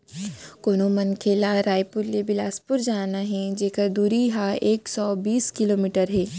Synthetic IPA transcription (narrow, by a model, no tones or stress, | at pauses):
koːnomɐnkʰeːlaɾaːjpʊɾlebɪlaːspʊɾd͡ʒaːnaɦɛ̃d͡ʒeːkəɾd̪uːɾiɦaeːksɔːbiːskɪloːmiːʈəɾɦɛː